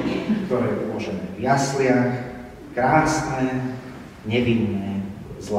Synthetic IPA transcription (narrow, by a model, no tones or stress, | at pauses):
kt̪ɔɾɛːʔulɔʒɛnɛvjaslɪax | kɾaːsnɛ | ɲɛʋinːɛzl